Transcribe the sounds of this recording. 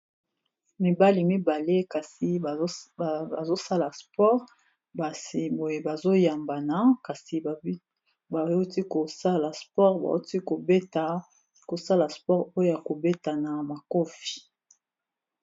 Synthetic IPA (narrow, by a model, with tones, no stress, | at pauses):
mi˨ba˦li˨mi˦ba˨le˦ka˨si˨˦˨a˨zo˦sa˦la˨spɔ˦ʁ | ba˨si˨bo˨je˨ba˨zo˦ja˨mba˨na˦ka˨si˨˦ | ba˨˦u˦ti˦ko˨sa˦la˨spɔ˦ʁba̰˨˦ti˦ko˨be˦ta˨ | ko˨sa˦la˨spɔ˦ʁo˦jo˦ja˨ko˨be˦ta˨na˨ma˨ko˦fi̥˨